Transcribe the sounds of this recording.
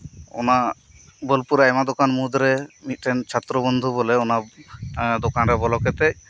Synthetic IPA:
ɔ̰na | bɔlpuɾeɛmad̪ɔkanmud̪ɾɛmit̪̚ˀʈɛnt͡ʃʰat̪ɾɔbɔnd̪ʱubɔlɛɔna | d̪okanɾɛbɔlɔkɛt̪ɛc

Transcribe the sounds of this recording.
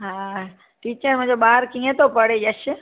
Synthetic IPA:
ɦã | ʈiːt͡ʃəɾmẽd͡ʒobaɦɾkĩẽt̪opəɽed͡ʒaʃe

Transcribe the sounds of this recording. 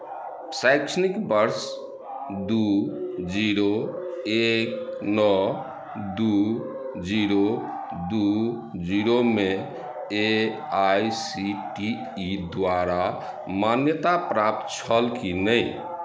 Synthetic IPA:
sajksənikbəɾs | d̪ud͡ʒiɾoeknɔ | d̪u | d͡ʒiɾo | d̪u | d͡ʒiɾome | e | ajsiʈiː | d̪waɾa | manjət̪apɾap̚t̪t͡ʃʰəlkinəj

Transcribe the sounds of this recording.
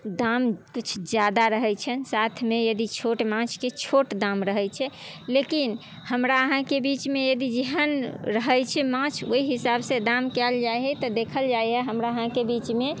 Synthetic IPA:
d̪amkit͡ʃʰd͡ʒjad̪aɾəɦɛt͡ʃʰənsat̪ʰmejəd̪it͡ʃʰoʈmãt͡ʃʰket͡ʃʰoʈd̪ãmɾəɦɛt͡ʃʰɛ | lekin | həmɾaəɦãkebit͡ʃmejəd̪id͡ʒeɦənɾəɦəjt͡ʃʰɛmãt͡ʃʰo̰iɦisabsed̪amkɛld͡ʒajɦɛt̪ɔd̪ekʰəld͡ʒajɦɛɦəmɾaəɦãkebit͡ʃme

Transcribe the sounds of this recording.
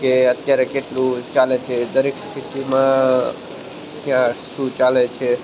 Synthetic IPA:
keət̪jaɾekeʈlut͡ʃalɛt͡ʃʰɛd̪əɾekst̪ʰit̪imã | kiãsut͡ʃalɛt͡ʃʰɛ

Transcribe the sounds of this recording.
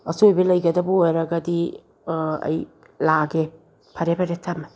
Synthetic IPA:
ɐsojbelɐjɡɐdɐboeɾɐɡɐdi | ɐ̰j | laɡe | pʰɐɾepʰɐɾetʰama

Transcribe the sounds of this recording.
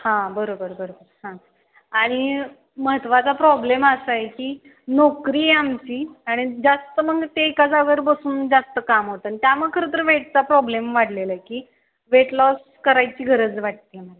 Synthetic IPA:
hãbəɾobəɾbəɾobəɾhã | aɽ̃i | məɦət̪ʋat͡sapɾɔbleməsajekiː | nokɾiːamt͡ɕiːaɽ̃id͡zast̪əməɡt̪eekad͡zaʋəɾbəsuːnd͡zast̪əkamɦot̪anit̪jaməɡ̚kʰəɾət̪̬əɾʋeʈt͡sapɾɔblemʋaɽlelaekiː | ʋeʈlɔs | kəɾajt͡ɕiːɡʱəɾəd͡zʋaʈ̚t̪iməla

